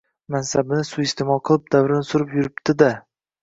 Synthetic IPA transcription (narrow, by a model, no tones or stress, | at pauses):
mansabɪnɪsʊɪst̪ʰemɒlˠqʰɨlˠɪp̚d̪avɾɪnɪsʊɾɪpjʊɾɪbd̪̥ɪd̪a